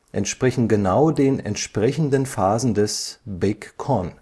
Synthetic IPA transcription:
ʔɛ̰ntʃpʁ̥ɛçn̩ɡənaʊdeːnɛ̰ntʃpʁ̥ɛçn̩dənfaːzn̩dɛsbɪkːʰɔn

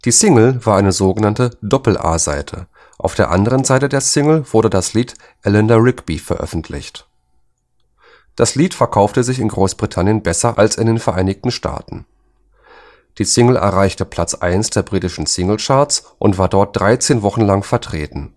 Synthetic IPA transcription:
d̥iːsɪŋl̩vaːɐʔaɪnəzoːɡənantədɔpl̩ʔa̰ːza̰ɪtʰə̰ | ʔa̰ʊfd̥eːɐʔandəʁ̞ənzaɪtədeːɐsɪŋl̩v̥ʊɐɾdədasliːt | ʔɛlɛndɐʁɪkb̥ifɛɐʔœ̰fn̩tʰlɪ̰çt | d̥asliːtfɛɐkʰaʊftəzɪçɪnɡʁoːsb̥ʁitʰanjənbɛsɐʔalsɪndeːnfɛɐʔaɪnɪçtn̩ʃtʰa̰ːtn̩ | d̥iːsɪŋl̩ʔɛ̰ɐʁaɪçtəpʰl̥at͡sʔa̰ɪnsd̥eːɐbʁiːtɪʃn̩sɪŋl̩t͡ʃaɐt͡sʔʊntv̥aːɐdɔɐt̚d̥ʁaɪt͡seːnvɔχn̩laŋfɛɐtʁ̥eːtn̩

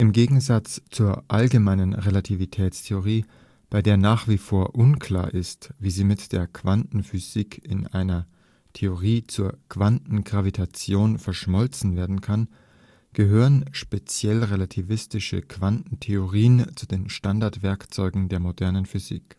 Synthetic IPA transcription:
ʔɪmɡeːɡŋ̩zat͡st͡suːɐʔalɡəmaɪnənʁelatʰivitʰɛːt͡stʰeoʁ̞iː | b̥aɪdeːɐnaːχv̥ifoːɐʔʊnkʰl̥a̰ːɐʔɪstviːziːmɪtd̥eːɐkʰv̥antn̩fyz̥iːkʰɪ̰nʔaɪnɐ | tʰeoʁiːt͡suːɐkv̥antn̩ɡʁavitʰat͡sjoːnfɛɐʃmɔlt͡sn̩veːɐdn̩kʰan | ɡ̥əɦøːʁənʃpet͡sjɛlʁelatʰivɪstɪʃə̰kv̥antn̩tʰeoʁiːənt͡sudeːnʃtandaɐtv̥ɛɐkt͡sɔʏɡŋ̩deːɐmodɛɐnənfyzḭːk

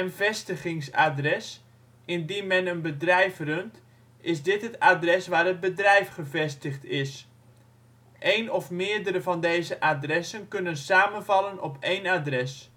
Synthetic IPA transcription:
ənvɛstəχɪŋsa̰drɛs | ɪndinmɛnənbədrɛjfrønt | ɪzdɪtɦətaːdrɛsʋaːrəd̚bədrɛjfχəvɛstəχtɪs | ʔejnɔfmɪːəɹdəɾəvɑndejzəʔadrɛsənkɵnənsaːmənvɑlənɔpʰejnadrɛs

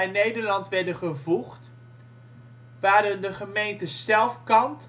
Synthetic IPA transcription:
ɛjnejdəɹlɑntʋɛɹdəχəvuχt | ʋaːɾədəχəmejntəsɛlˠfkɑnt

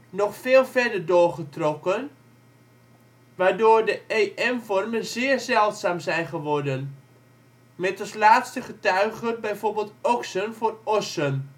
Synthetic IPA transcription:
nɔχfɪːlˠvɛdərdoːrχətrɔkən | ʋaːrdoːrdəeːʔɛmfɔrmənzɪːrzɛlˠtsaːmzɛjχəʋɔrdən | mɛtɔslaːtstəχətœɥɣənbɛjvoːrbeːlˠtɔksənvoːrɔsən

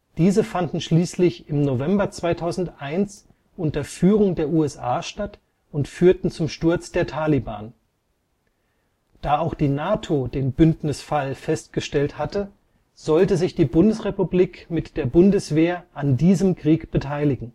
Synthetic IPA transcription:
d̥iːzəfandn̩ʃliːslɪçɪmnovɛmbɐt͡sv̥aɪtʰaʊzn̩tʔaɪns | ʔʊntɐfyːʁʊŋdeːɐʔuːɛsʔa̰ːʃtat | ʊntfyːɐtn̩t͡sʊmʃtʊɐt͡sd̥eːɐtʰaːliba̰ːn | d̥aːaʊxd̥iːnaːtʰodeːnbʏntnɪsfalfɛst̚ɡ̥əʃtɛlthatə | z̥ɔltəzɪçd̥iːbʊndəsʁepubliːkmɪtd̥eːɐbʊndəsv̥eːɐʔandiːzəmkʁ̥iːkb̥ətʰaɪlɪɡŋ̩

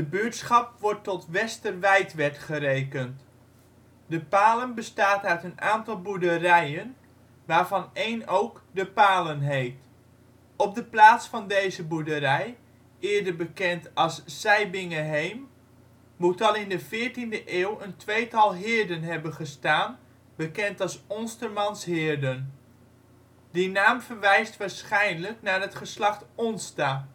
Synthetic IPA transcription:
dəbyːtsχɑpʋɔɹtɔtʋɛstərʋɛjtʋɛɹtχəɾejkənt | dəpaːlənbəstaːtœɥtənʔaːntɑlˠbudərɛjən | ʋaːɹvɑnejnowkdəpaːlənɦejft | ɔp̚dəplaːtsfɑndejzəbudəɾɛj | ɪːɹdəɹbəkɛntɑlˠsːɛjbɪŋəɦejmː | utɑlˠɪndəvɪːɹtindəʔeːwəntʋejtɑlˠɦɪːɹdənɦɛbənχəstaːn | b̥əkɛntɑlˠsɔnstəɹmɑnsɦɪːɹdən | dinaːmvəɹʋɛjstʋaːɹsχɛjnləknaːɹɦətχəslɑχtɔnstaː

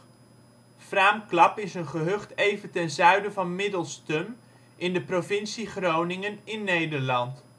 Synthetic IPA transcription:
fraːmklɑpɪsənχəɦøχtejvəntɛnzœɥdəvɑnmɪdəlˠstɵm | ʔɪndəprovɪnsiχrownɪŋənɪnːejdəɹlɑnt

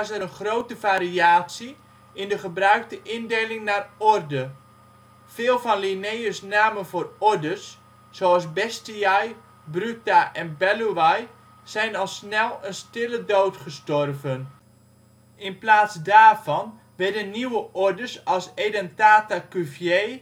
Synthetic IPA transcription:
səənχrowtəvaːɾiaːsi | ɪndəχəbrœɥk̚təʔɪndejlɪŋnaːrɔrdə | v̥ɪːlˠvɑnlinejəsnaːməvoːrɔɹdəsː | oɑlˠsbɛstiaj | brytaʔɛnbɛluʋaj | z̥ɛjnɑlˠsnɛlˠənstɪlədowtχəstɔrvən | ʔɪnplaːtsdaːrvɑn | ʋɛɹdənːiwəʔɔɹdəsɑlˠsedɛntaːtakyfje

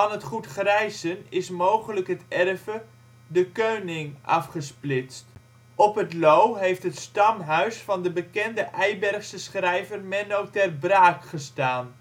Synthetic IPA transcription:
ɑnɦətχutχrɛjzənɪsmowχələkɦətɛrvə | dəkøɥnɪŋʔɑ̰fχəsplɪtst | ɔpɦətlowɦejftɦətstɑmɦœɥsfɑndəbəkɛndəʔɛjbɛrχsəsχrɛjvərmɛnowtɛrbraːkχəstaːn

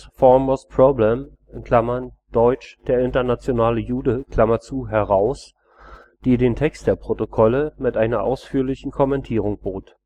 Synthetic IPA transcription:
fɔmospʰʁ̥oblɛm | ɪnkʰl̥amɐn | d̥ɔʏt͡ʃd̥eːɐɪntɐnat͡sjonaːləjuːdəkl̥amɐt͡suːɦɛʁaʊs | d̥eːdeːntʰɛkstd̥eːɐpʁ̥otokʰɔləmɪtʔaɪnɐʔa̰ʊsfyːɐlɪçn̩kʰɔmɛntʰiːʁ̞ʊŋb̥oːt

